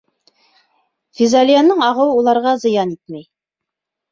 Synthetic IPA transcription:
fʲizalʲijanːɤɴɑʁɤwulˠɑɾʁɑzɤ̆jɑnit̪̚mæj

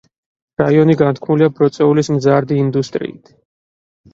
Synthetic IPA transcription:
ɾaiɔniɡant̪̚ʰkʰmuliabɾɔt̪sʼɛulismzaɾd̪iːnd̪ust̪ʼɾḭːt̪ʰ

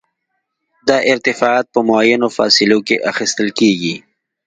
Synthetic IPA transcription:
d̪ɑʔɪɾt̪ɪfɑɑt̪̚pəmʊajanofɑ̰sɪlokeʔaxist̪əlkeɡi

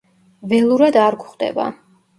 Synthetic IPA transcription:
vɛlˠuɾad̪aɾɡχd̪ɛ̰ba̰

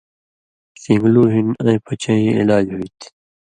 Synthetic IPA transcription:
sĩŋɡluːɦinɐ̃ĩpʰʌt͡ɕɐ̃iḭlaːd͡ʑɦuit̪ʰi̥

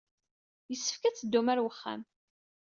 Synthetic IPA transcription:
jəsːə̥fkæt͡sːəd̪ːumæɾwəχːa̰m

